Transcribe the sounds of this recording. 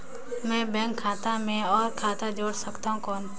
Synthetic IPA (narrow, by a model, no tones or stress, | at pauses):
mɛ̃ːbɛ̃ːŋkʰːaːt̪amẽɔːɾkʰaːt̪ad͡ʒoːɽsəkt̪aːɦũkɔːn